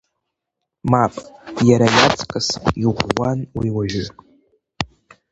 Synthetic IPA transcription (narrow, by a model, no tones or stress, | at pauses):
mapʼjaɾajat͡sʼkʼɨsʼiʁʷwanwiwaʒᶣʏ